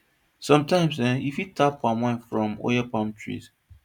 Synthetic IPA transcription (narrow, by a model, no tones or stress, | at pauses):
sɔ̃mtãɪ̃msɛjifitʰapːãmwãnfɹɔ̃mo̰japãmtʰɹḭz